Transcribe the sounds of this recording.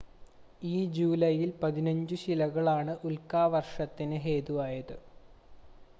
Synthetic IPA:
iːd͡ʑuːlɐjilpɐðinɐɲd͡ʑɨɕilɐɣɐɭaːɳɨʔulkaːʋɐrʂɐt̪ːinɨɦeːðuʋaːjɐðɨ

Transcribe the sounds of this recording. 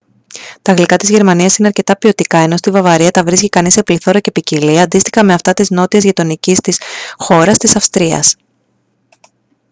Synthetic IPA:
t̪ɐɣlikɐt̪izʝe̞ɾmɐniɐsine̞ɐɾce̞t̪ɐpio̞t̪ikɐe̞no̞st̪ivɐvɐɾiɐt̪ɐvɾisci̥kɐnisepliθo̞ɾɐce̞piciliɐnd̪ist̪ixɐme̞ɐft̪ɐt̪izno̞t̪iɐzʝit̪o̞nicist̪isxo̞ɾɐst̪isɐfst̪ɾiɐ̰s

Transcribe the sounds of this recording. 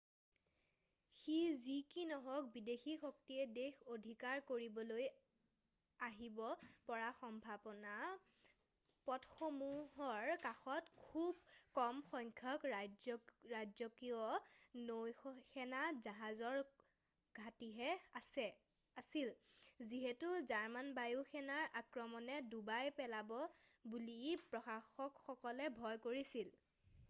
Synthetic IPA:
xizikinɔɦɔk̚bidexixɔktiɛdexodʱikaɹkoɹibɔloj | aɦibɔpɔɹaxɔmbʱabɔna | pɔtxomuɦɔɹkaxɔtkʰubkɔmxɔŋkʰɔk | ɹazɔkijɔnojxɛnazaɦazɔɹ | ɡ̥ʱatiɦɛsɛ | asilziɦɛtuzaɹmanbajuxɛnaɹʔakɹɔmɔnɛdubajpɛlabɔbulipɹɔxaxɔkxɔkɔlɛbʱɔjkoɹisil

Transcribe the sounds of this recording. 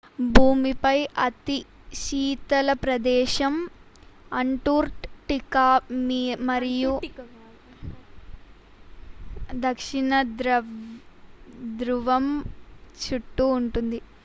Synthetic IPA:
bʱuːmipɐjʔɐt̪i | ʃiːt̪ɐlɐpɾɐd̪ɛːʃɐm | ɐɳʈuːɾʈʈikaːmiːmɐɾiju | d̪ɐkʂiɳɐd̪ɾ | d̪ɾuʋɐmt͡ʃuʈːuːɳʈund̪i

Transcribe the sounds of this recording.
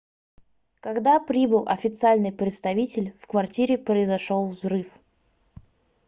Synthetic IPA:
kɐɡd̪apɾʲibɨlˠʔɐ̰fʲɪt̪sɨalʲnɨjpɾʲɪt̪st̪ɐvʲitʲɪlʲfkvɐrtʲiɾʲɪpɾəɪzɐʂolˠvzrɨf

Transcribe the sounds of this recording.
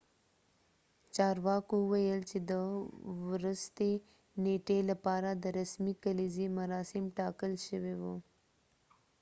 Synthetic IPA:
t͡ʃɑɾwɑkoʊwajəlt͡ʃed̪əwɾʊst̪e | neʈelapɑɾad̪əɾasmikalizemaɾɑsɪmʈɑkəlʃəwewo

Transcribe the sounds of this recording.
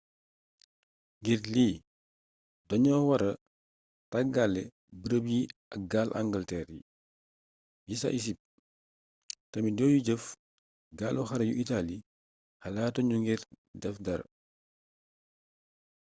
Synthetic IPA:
ŋɡirliː | dɔɲɔːwɐɾɐ | taɡalːɛ | bəɾəpjiɐk̚ɡalʔa̰ŋɡəltɛɾjḭ | jisa̰ʔis̬ip̚ | tɐmidɔːjuɟəf | ɡaːluxɐɾɐjuʔitali | hɐlaːtɔɲuŋɡir | dɛfdɐɾ

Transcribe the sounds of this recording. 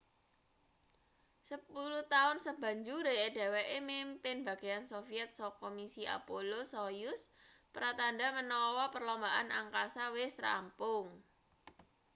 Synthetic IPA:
səpuluht̪aʊnsəb̥a̤ɲd͡ʒuɾeɖ̥awɛʔemimpɪnba̤ɡ̥ejansofiɛt̪̚sɔkomisiʔa̰polosojʊspɾat̪anɖamənɔwɔpərlɔmbaʔanʔa̰ŋkasawɪsra̰mpʊŋ

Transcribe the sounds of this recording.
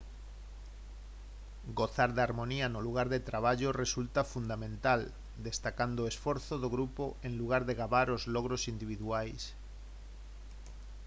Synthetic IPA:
ɡoθaɾðaɾmõnianoluɣ̞aɾðet̪ɾaβ̞aʎoresult̪afund̪amẽnt̪al | d̪est̪akand̪oesfoɾθoðoɣɾupoeŋluɣ̞aɾðeɣaβaɾozloɣ̞ɾosind̪iβiðuajs

